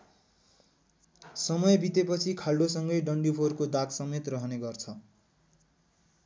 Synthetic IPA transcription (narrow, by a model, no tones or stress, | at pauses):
sʌmʌjbit̪epʌt͡sʰikʰalɖosʌŋɡʌjɖʌɳɖipʰorkod̪aksʌmet̪rʌɦʌneɡʌrt͡sʰʌ